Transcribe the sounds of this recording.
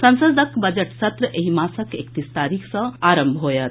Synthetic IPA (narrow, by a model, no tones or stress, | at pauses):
sənsəd̪əkbəd͡ʒeʈsət̪ɾəeɦimasəkekt̪ist̪aɾikʰsʌ̃aɾəmbʱɦojt̪